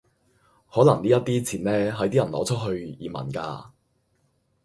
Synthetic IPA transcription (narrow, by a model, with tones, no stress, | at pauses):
hɔː˨˥lɐ˨˩ŋliː˥jɐ˥t̪̚iː˥t͡sʰiː˨˩nlɛː˥ɦɐ˨˥jt̪iː˥jɐ˨˩nlɔː˨˥t͡ʃʰɵ˥t̚ɦɵ˧ɥjḭː˨˩mɐ̰˨˩nka̰ː˧